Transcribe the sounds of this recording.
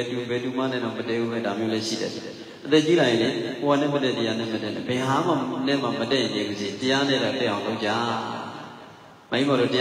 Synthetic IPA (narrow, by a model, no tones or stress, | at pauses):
ɛtubɛtuma̰nɛ̰̃dɔmətɛʔubɛdamjolɛʃḭdɛ̰ | ʔət̪ɛt͡ɕilãɪ̃ndɛ̰̃owanɛ̰̃mətɛtəjanɛ̰̃mətɛnɛbɛɦamanɛ̃mamətɛɪ̃nẽməzẽtəjanɛdat̪ɛʔãʊ̃loʔ̚t͡ɕa | mãmaɾotəj